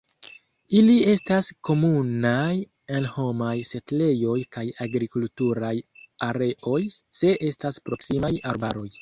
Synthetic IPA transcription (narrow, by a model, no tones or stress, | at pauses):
ilie̞stasko̞munaj | elho̞majse̞tle̞jo̞jkajaɡɾikultuɾajaɾe̞ʔo̞jse̞ʔe̞staspɾo̞ksimajaɾbaɾo̞j